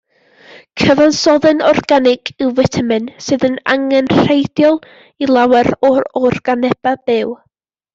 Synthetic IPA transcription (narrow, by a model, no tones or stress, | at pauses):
kʰəvansɔðɨnɔrɡanɪɡ̥ɪwvɛtʰamɨnsɨːðəna̰ŋɛnr̥ejdjɔlˠ | ilˠawɛɾɔɔrɡ̥anɛb̥ab̥ɪw